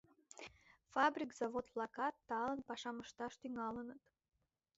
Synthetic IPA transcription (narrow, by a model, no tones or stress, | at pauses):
fabrʲikz̥avot̪plˠɑkɑt̪ːɑlənpɑʃɑməʃt̪ɑʃt̪yŋɑlənət̪